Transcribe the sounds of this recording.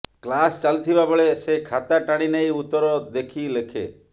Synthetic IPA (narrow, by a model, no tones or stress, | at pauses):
klast͡ʃalt̪ʰibabɔɭesekʰat̪aʈaɽ̃inejut̪ɔɾɔd̪ekʰilekʰḛ